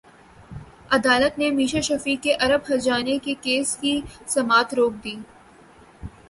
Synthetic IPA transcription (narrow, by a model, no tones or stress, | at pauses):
ɐd̪aːlət̪nemiːʃaʃɐfiːkːeʔɐɾəbɦɐd͡ʒaːnekikeːskisɐmaːt̪ɾoːk̚d̪iː